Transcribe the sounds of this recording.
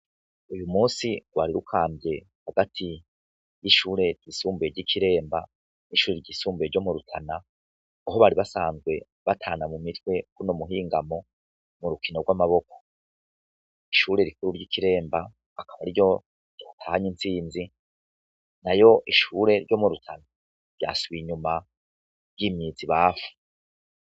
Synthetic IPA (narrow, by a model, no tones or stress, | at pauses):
ujumuːnsiɡwa̰ːɾiɾukʰaːmbje̞ | haɡatʰi | jiʃuːɾe̞ɾɟisuːmbeɾɟikʰiɾe̞ːmba̰ | niʃuːɾe̞ɾɟiːsuːmbeɾɟo̞muɾutʰanaː | ɦo̞βaɾiβasaːnzɡwe̞ | βatʰaːnamumitwe̞kunomuɦiːŋɡamo̞ | muɾukino̞ɾɡwamaβo̞ko̥ | iʃuːɾe̞ɾikuɾuɾɟikiɾe̞ːmbaː | kaβaɾiɾɟo̞̥ | oːtʰaːhaɲint͡siːnzi | najo̞ʔiʃuɾe̞ɾɟo̞muɾutʰana | ɾja̰ːsuβiɲuma | ɟimiːziβaːfu̥